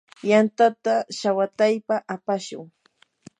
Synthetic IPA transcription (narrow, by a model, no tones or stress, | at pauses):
jant̪at̪aʃawat̪ajpaʔapaʃʊ̰ŋ